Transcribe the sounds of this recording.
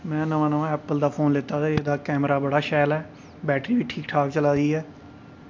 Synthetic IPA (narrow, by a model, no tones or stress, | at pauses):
mɛ̃ːnəʋãːnəʋãːɛːpəld̪aːpʰoːnlɪt̪aːt̪aeːd̪aːkɛːmɾaːbəɽaːʃɛːlɦɛː | bɛːʈɾiːbiːʈʰiːkʈʰaːkt͡ʃəlaːd̪iːɛː